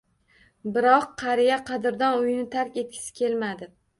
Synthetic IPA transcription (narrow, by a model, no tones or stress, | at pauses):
bɪɾɒqʰːɑɾijaqʰɑd̪ɪɾd̪anʊjnɪt̪ʰaɾkʲe̞t̪̚kʲʰɪ̥sɪ̥kʲʰe̞lmad̪ɪ